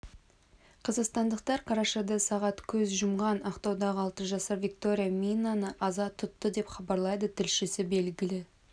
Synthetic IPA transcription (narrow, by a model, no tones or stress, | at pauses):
qʰɑzɑqst̪ɑnd̪əq̚t̪ɑɾqʰɑɾɑʃɑd̪ɑsɑʁɑt̪kʲʰɵzʒʊmʁɑnɑqt̪ɑwd̪ɑʁəɑlˠt̪əʒɑsɑɾvʲik̚t̪o̞ɾʲijamʲijnːanəʔɑzɑt̪ʰʊt̪ːəd̪e̞pχɑbɑɾlˠɑjd̪ət̪ʰɪlʃɪsɪbe̞lɡʲɪlɪ